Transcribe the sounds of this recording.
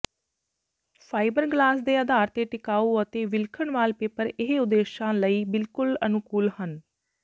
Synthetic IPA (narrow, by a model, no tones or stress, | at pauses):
pʰaːibəɾɡlaːsd̪eːəd̪aːɾt̪eːʈɪkaːuːət̪eːʋɪlkʰəɳʋaːlpeːpəɾɪɦeʊd̪ːeːʃãːləiːbɪlkʊlənʊkuːlhən